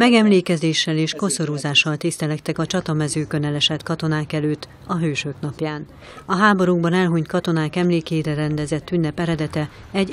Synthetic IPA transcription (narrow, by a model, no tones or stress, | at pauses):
mɛɡɛmleːkɛzeːʃːɛleːʃko̞soɾuːzaːʃːɒlt̪ist̪ɛlɛkt̪ɛkɒt͡ʃɒt̪ɒmɛzøːkø̞nɛlɛʃɛt̪kɒt̪o̞naːkɛløːt̪ː | ɒɦøːʃøknɒpjaːn | ɒɦaːbo̞ɾuɡbɒnɛlɦuɲt̪kɒt̪o̞naːkɛmleːkeːɾɛɾɛnd̪ɛzɛt̪ːynːɛpɛɾɛd̪ɛt̪ɛ | ɛɟ